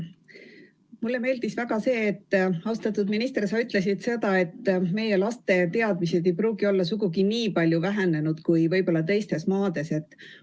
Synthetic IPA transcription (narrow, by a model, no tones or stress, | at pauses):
mulːe̞me̞ːld̪̥isvæɡ̥ɑse̞ːt̪ːɑwst̪ɑt̪ːˑud̪minist̪resɑyt̪ˑle̞s̬id̪̥se̞d̪̥ɑe̞t̪ːme̞je̞lɑst̪e̞t̪e̞ɑd̪̥̚mise̞d̪e̞jpɾuːɡio̞lːɑsuɡ̥uɡiniːpɑlʲjuvæɦene̞nud̪̥kujvɤjbo̞lːɑt̪e̞jst̪e̞smɑːd̪̥e̞se̞t̪ːˑ